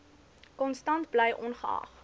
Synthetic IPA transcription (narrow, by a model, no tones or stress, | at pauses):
kɔnstɐntblɛjʔɔnχəɐ̰χ